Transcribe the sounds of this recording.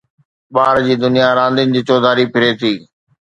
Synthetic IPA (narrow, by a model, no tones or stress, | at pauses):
ɓaːɾd͡ʑiːd̪ʊnijaɾãːnd̪ɪnɪ̆d͡ʑiːt͡ɕɔːd̪ʱaːɾipʰɪɾet̪ʰiː